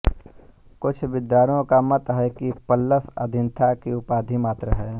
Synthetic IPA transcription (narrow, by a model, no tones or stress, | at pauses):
kʊt͡ʃʰʋɪd̪jaːɾõkamɐt̪ɦɛkipəlːəsə̰d̪ʱɪnt̪ʰakiʊpaːd̪ʱimaːt̪ɾəɦɛː